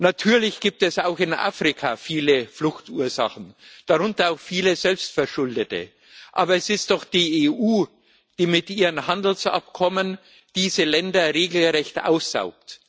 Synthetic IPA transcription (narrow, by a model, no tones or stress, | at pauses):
natʰyːɐlɪçɡ̥iːp̚tɛsaʊxɪnʔa̰ːfʁ̥ɪkʰafiːləflʊxtuːɐza̰χn̩d̥aʁʊntɐaʊxfiːləzɛlpstfɛɐʃʊldətə̰ | ʔaːbɐɛsɪst̚d̥ɔχd̥iːeːʔuː | d̥iːmɪtʔiːʁənhandl̩sʔa̰p̚kʰɔmən | d̥iːzəlɛndɐʁeːɡl̩ʁɛçtʔa̰ʊsz̥a̰ʊk̚t